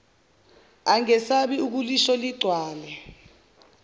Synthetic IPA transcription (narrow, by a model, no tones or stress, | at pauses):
aŋɛsaɓiuk̬uliʃɔliɡ͡ǀʱwaːlɛ